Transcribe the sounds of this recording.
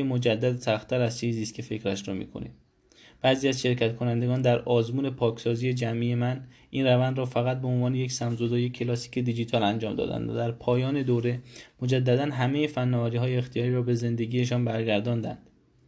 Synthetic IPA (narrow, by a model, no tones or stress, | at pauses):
emo̞d͡ʒæd̪ːæd̪sæxt̪ʰːæɾæzt͡ʃejziːskʲʰefe̞cɾæʃɾɒːmḭːkʰo̞̰nḭd̪ | b̥æːziːæzʃe̞ɾcʰæt̪kʰo̞nænd̪e̞ɡɒːnd̪æɾɒːzmuːne̞pʰɒːkʰsɒːziːje̞d͡ʒæmʔiːje̞mæn | ʔinrævænd̪ɾɒːfæɣæt̪̚be̞onvɒːne̞jecsæmzod̪ɒːje̞kʰːelɒːsi̥ːcʰe̞d̪id͡ʒit̪ʰɒːlænd͡ʒɒːmd̪ɒ̰ːd̪æ̰nd̪æd̪æɾpʰɒːjɒːne̞d̪oːɾe̞mo̞d͡ʒæd̪ːæd̪ænɦæme̞jefænːɒːvæɾiːɦɒːjeːxt̪ʰijɒːɾiːɾɒːbe̞ze̞nd̪e̞ɡije̞ʃ̬ɒːnbæɾɟæɾd̪ɒːnd̪æ̰nd̪̥